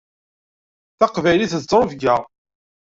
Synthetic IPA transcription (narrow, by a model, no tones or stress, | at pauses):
θɑqvæjliθət͡sːɾˤofɡæ